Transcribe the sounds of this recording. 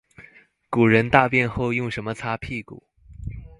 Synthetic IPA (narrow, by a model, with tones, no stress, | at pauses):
ku˨˩ɻə˧˥nt̪a˥˧pjɛ˥˧nxo˥˧ʊjʊ˥˩ŋʂə˧˥nmə˧t͡sʰa˥pʰi˥˩kṵ˨˩˦